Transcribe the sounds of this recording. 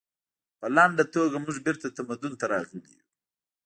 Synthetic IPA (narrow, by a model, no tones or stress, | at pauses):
pəlaɳɖat̪oɡamʊʐbɪɾt̪at̪amad̪ʊnt̪aɾɑɣəlḭjṵ